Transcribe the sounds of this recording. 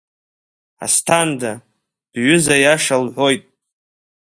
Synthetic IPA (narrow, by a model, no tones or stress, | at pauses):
a̰stʰanda | d̥ɥʷʏzajaʂalħʷo̞jtʼ